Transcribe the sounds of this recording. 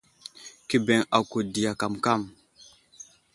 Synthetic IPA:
ki˦be˨ŋa˨ku˨di˨ja˨ka˨mka˦˨m

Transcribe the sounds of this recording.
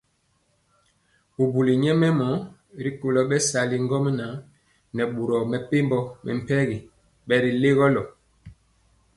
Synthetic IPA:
bu˨bu˨li˨ɲɛ˦mɛ˦mɔ˨˦ | ɾi˦ko˨lɔ˦ɓɛ˦sa˨li˨ŋ˦ɡɔ˦m˦na˨˦ | nɛ˨ɓu˨ɾɔ˨mɛ˨pe˦mbɔ˦mʔɛ̰˨m̩˨pɛ˦ɣi˨ | ɓɛ˨ɾi˨le˦ɣɔ˦lɔ˨

